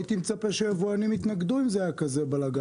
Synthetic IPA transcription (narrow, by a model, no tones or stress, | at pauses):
it̪imt͡sapaʃeavuanimit̪naɡd̪uimzeakazebalaɡa